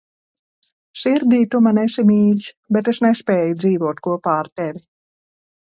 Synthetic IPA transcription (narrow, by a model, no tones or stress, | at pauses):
ʃiɾd̪iːt̪umanɛʃimiːʎʲ | bet̪eʃnespeːjud̪ziːvuɔt̪kuɔpaːɾt̪evʲi